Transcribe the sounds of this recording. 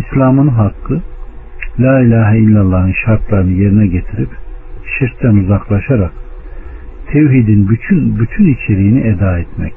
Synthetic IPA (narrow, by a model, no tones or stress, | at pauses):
islʲaːmɯnɦakːɯ | lʲaːilʲaːɦilʲːalˠːanɯnʃaɾt̪lˠaɾɯnɯje̞ɾinɛɟe̞t̪ʰiɾipʃiɾt̪ːænuzaklˠaʃaɾak | t̪ʰewɦid̪inbyt͡ʃʰynbyt̪ʰynit͡ʃʰe̞ɾijiniʔed̪aːɛt̪mɛ̰c